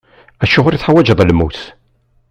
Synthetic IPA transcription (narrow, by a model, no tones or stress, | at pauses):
æʃʊʁʊɾiθħawæd͡ʒəðˤlmuθ